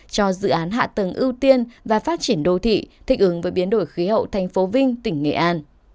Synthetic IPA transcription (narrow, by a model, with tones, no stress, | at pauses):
t͡ɕɔ˧zɨ̰˧˨ʔaː˨˦nɦa̰ː˧˨t̪ə˨˩ŋʔi˧wt̪i˧ənvaː˨˩faː˦˥t̚t͡ɕi˧˩ənɗo˧˩t̪ʰḭ˧˨t̪ʰï˧˩k̟̚hɨ˨˦ŋvəː˨˦jɓi˨˦ənɗo˧˩jxi˨˦ɦə̰˧˨wt̪ʰɛ˨˩jŋ̟fo˨˦vï˧ŋ̟t̪ï˧˩ŋ̟ŋḛ˧˨ʔaː˧n